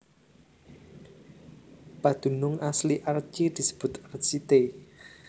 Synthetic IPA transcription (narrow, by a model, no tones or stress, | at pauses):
pad̪̥ṳnʊŋasliʔart͡ʃid̪̥i̤sə̥b̥ʊ̤t̪rt͡ʃit̪e